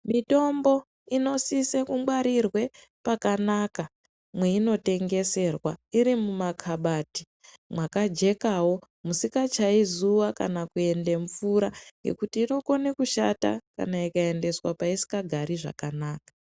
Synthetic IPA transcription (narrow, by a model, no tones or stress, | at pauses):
mito̞mbo̞ | ino̞sisekumɡwaɾirwe̞ | pakanaka | mwe̞ino̞te̞ŋɡe̞se̞rwaiɾimumakʰaɓati̥ | mwakad͡ʒe̞kawo̞ | musikat͡ʃaizuwakanakue̞nde̞ɱfuɾaŋɡe̞̰kutiːno̞ko̞nekuʃa̰ta̰ka̰naikae̞nde̞swapaisi̥kaɡʱaɾiʐa̰kanaːkḁ